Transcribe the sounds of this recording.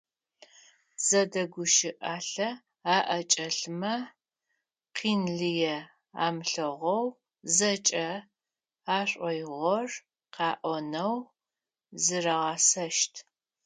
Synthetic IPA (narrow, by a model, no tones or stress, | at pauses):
z̥ɐdɐɡʷʊʃɪʔaːɬɐ | aːʔɐt͡ʃʼɐɬmɐ | qʰiːnɮɨjɛ | a̰ːmɬɐʁʷɔw | zɐt͡ʃʼɐ | aːɕʷʼɔjʁʷɔr | qɑːʔʷɔnɐw | zɨrɐʁɑsɐʃtʰ